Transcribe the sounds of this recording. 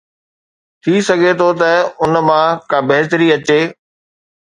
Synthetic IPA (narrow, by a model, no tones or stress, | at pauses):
t̪ʰisɐɡʱet̪ʰot̪ɐʊnmãkãːbɐɦt̪əɾiɐt͡ɕeː